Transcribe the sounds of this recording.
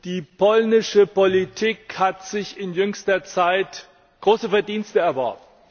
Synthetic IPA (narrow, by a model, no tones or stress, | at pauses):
d̥iːpʰɔlnɪʃəpolitʰiːkhatz̥ɪçɪnjʏŋstɐt͡saɪt | ɡ̥ʁoːsəfɛɐdiːnstəɛɐvɔɐb̚n